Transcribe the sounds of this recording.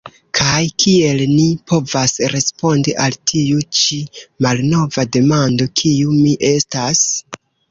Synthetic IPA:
kʰajkʰie̞lnipʰo̞vasɾe̞spo̞ndiʔaltʰiut͡ʃimalno̞vade̞mando̞kʰiumiʔe̞stas

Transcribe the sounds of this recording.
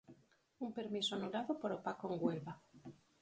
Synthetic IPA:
umpeɾmisoanulaðopoɾopakoeŋɡwelβa

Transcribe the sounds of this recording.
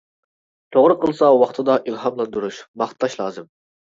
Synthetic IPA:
t̪ʰoʁɾəqʰəlˠɨsɑwɑχt̪ʰɨd̪ɑʔilˠhɑmlˠɑnd̪uɾuʃmɑχt̪ʰːɑʃlˠɑ̰ːzɨm

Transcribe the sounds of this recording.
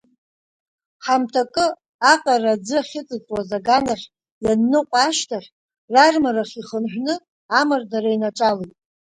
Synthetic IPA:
ħamtʰakʼɨ | aqʼarad͡zɨaχʲɪt͡sʼɨt͡sʼwazaɡanaχʲ | janːɨqʷʼaʃtʰaχʲ | rarmaraχʲiχənħʷᶣnɨ | amardaɾainaʈ͡ʂʼalejtʼ

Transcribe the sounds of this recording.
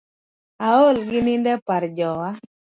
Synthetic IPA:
aolɡɪnɪndɛpaɾd͡ʒɔwa

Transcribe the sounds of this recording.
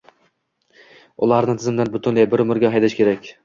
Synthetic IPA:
ʊlˠaɾnɪt̪ʰɪzɪmd̪anbʊt̪ʰʊnlajbɪɾʊmɪɾɡʲaɦajd̪aʃkʲʰe̞ɾakʲ

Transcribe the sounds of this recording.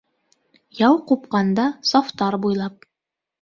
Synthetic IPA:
jɑwqupqɑnd̪ɑsɒft̪ɑɾbujlˠɑp̚

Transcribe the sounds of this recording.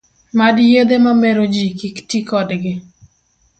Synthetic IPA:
madjed̪emameɾod͡ʒikiktikɔdɡɪ

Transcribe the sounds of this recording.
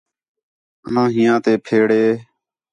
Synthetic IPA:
ənãːɦɪjãːt̪eːpʰeːɽeː

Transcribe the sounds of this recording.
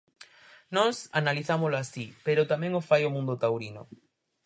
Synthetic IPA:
nɔsanaliθamoloasipeɾʊt̪amɛ̃ŋofajomũnd̪ot̪awɾinʊ̰

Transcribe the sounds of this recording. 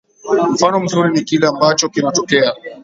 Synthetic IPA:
m̩fanɔm̩zuɾinikilɛambat͡ʃɔkinatɔkɛa

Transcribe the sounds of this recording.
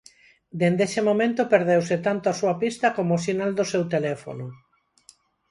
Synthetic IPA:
d̪end̪esemomẽnt̪opeɾð̞ewsɪt̪ant̪oasuapist̪ɐkomoasinald̪osewt̪elɛfo̰nʊ

